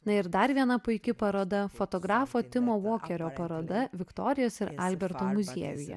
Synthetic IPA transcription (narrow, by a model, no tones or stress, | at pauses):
nɐɪɾd̪ɐɾʋʲiɛnɐpʊɪkʲɪpɐɾoːd̪ɐfot̪ɔɡɾɑːfoːt̪ʲɪmoːʋoːkʲɛɾʲoːpɐɾoːd̪ɐʋʲɪkt̪ɔːɾʲɪjoːsɪɾɐlʲbʲɛɾt̪oːmʊzʲiɛʋʲʊjɛ̰